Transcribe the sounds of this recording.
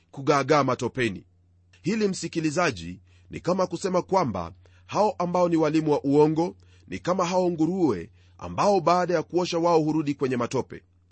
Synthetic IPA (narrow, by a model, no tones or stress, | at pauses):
kuɠaːɠaːmatɔpɛnḭ | hilim̩sikilizaʄḭ | nḭkamakusɛmakwamba̰ | haɔʔambaɔniwalimuwaʔuɔŋɡɔ | nḭkamaɦaɔŋɡuɾuɛ̰ | a̰mbaɔɓaːɗajakuɔʃawaɔɦuɾuɗikwɛɲɛmatɔpɛ̰